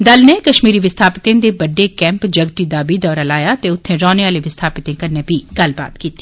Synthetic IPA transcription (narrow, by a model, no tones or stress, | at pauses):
d̪ɐlnekɐʃmiːɾiʋɪst̪ʰaːpɪt̪ẽd̪ebɐɖːekɛ̃ːmpd͡ʒɐɡʈid̪aːbid̪ɔːɾalaːjat̪eʊt̪ʰːẽɾɔːneaːleʋɪst̪ʰaːpɪt̪ẽkɐnːebʱiɡɐlba̰ːt̪kiːt̪i̥